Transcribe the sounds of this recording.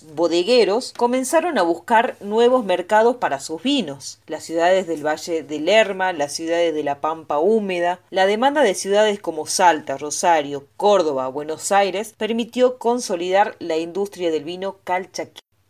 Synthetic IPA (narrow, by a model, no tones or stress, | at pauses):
βoðeɣeɾo̞sko̞mẽ̞nsaɾo̞naβ̞uskaɾnwe̞β̞o̞zmeɾkað̞o̞spaɾasuzβino̞slasːjuðaðezðelβaʒeðeleɾmalasːjuðaðezðelapampaumeðalaðe̞mãnd̪aðesjuðaðesko̞mo̞salt̪aro̞saɾjo̞koɾð̞o̞βaβwe̞no̞sajɾespeɾmit̪jo̞ko̞nso̞liðaɾlaind̪ust̪ɾjaðe̞lβino̞kalt͡ʃaki̥